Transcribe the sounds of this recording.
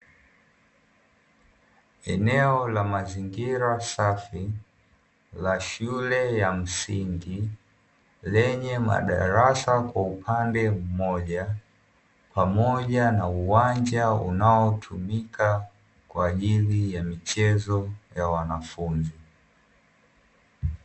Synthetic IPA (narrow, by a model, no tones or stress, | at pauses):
ɛnɛɔlamaziŋɡiɾasafi | laʃulɛjam̩siŋɡi | lɛɲɛma̰ɗa̰ɾasakwaupʰandɛm̩mɔʄa | pamɔʄanauwand͡ʒaṵnaɔtʰumika | kwaːʄilijamit͡ʃɛzɔjawanafunzi